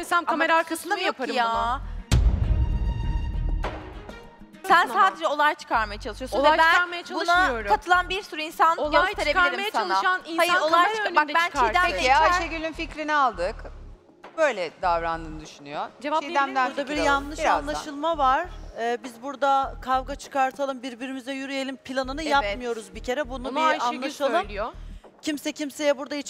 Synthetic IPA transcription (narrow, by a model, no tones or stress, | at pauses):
sænkʰameɾaːɾkʰasɯnd̪ajakpʰaɾɯja | sænsaːd̪ed͡ʒɛo̞lˠajt͡ʃʰɯ̥kʰaɾmajat͡ʃʰalˠɯʃɯjosˠɛajt͡ʃbænk̪aɾmajat͡ʃʰaluʃajoɾukat̪ʰɯlˠanbiɾsuɾuinsanolˠajt̪ʰeɾekeɾijasanˠaʃaninajolˠajɾønʲbad̪ɛbt͡ʃænkʰaiɾd̪æeiat͡ʃeɡølʲynficɾinialˠd̪ɯk | bøjlʲɛd̪avɾand̪ɯnɯd̪yʃynyjod͡ʒeaid̪æmd̪æuɾd̪abiɾjanlˠɯʃanlˠaʃɯlˠmavaɾ̥ɯːbizbuɾd̪akʰavɡat͡ʃʰɯ̥kaɾt̪ʰalˠɯmbiɾbiɾimizɛjyɾyje̞lʲimpʰilʲˠanɯnɯjap̪mɯjo̞ɾuzbicʰe̞ɾɛbununaanlˠaʃalˠɯmijo | cʰimsɛcʰimse̞jɛbuɾd̪ait͡ʃ